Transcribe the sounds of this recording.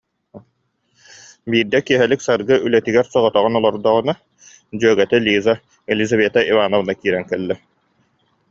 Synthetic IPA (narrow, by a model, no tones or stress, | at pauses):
biːɾd̪ɛkiɛɦɛliksaɾɡɯʔylɛt̪iɡɛɾsɔʁɔt̪ɔʁɔnɔlˠɔɾd̪ɔʁɯna | d͡ʑyœɡɛt̪ɛlʲiːza | ɛlʲizaβeːt̪aʔivaːnɔvɯnakiːɾɛŋkɛlːɛ